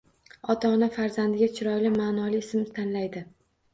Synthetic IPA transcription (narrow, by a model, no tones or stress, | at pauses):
ɒt̪ʰaːnafaɾzand̪ɪɡʲat͡ʃʰɪɾɒjlɪmaːnɒlɪɪsɪmɪt̪ʰanlajd̪ɪ